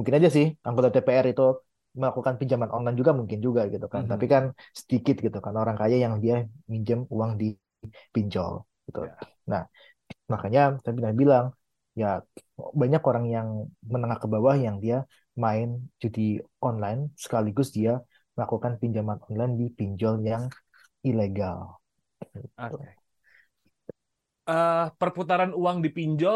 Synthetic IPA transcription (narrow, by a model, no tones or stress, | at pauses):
muŋkɪnad͡ʒas̬ɪhaŋɡot̪at̪epeɛɾit̪u | məlakukanpiɲd͡ʒamanʔɔnlajnd͡ʒuɡamuŋkɪnd͡ʒuɡaɡit̪ukant̪apikansə̥t̪ikɪt̪̚ɡit̪ukanaoɾaŋkajajaŋdiamiɲd͡ʒəmuwaŋdi | piɲt͡ʃɔ̰l | ɡit̪ṵ | nah | makaɲat̪ap̬inahbilaŋ | jabaɲakoɾaŋjaŋmənəŋahkəbawahjaŋdia | maɪnd͡ʒudiɔnlaɪnsə̥kaliɡʊsdia | məlakukanpiɲd͡ʒamanɔnlajndipiɲd͡ʒɔljaŋ | ileɡal | ɡit̪u | əpərput̪aɾanuwaŋdipiɲd͡ʒɔ